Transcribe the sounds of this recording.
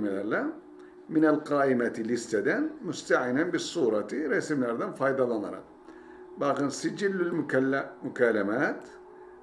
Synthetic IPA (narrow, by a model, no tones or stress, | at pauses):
mɪlaɾla | mɪnalqɑːʔɪmat̪lɪst̪ad̪anmʊst̪aʕɪnanbɪsˤuːɾˤɑt̪ɾɑsamlaɾˤd̪amfɑːjd̪ˤɑlɑnɾˤɑ̰ | baqɪnsɪd͡ʒɪlːɪlmʊkalːmʊkaːlamaːt̪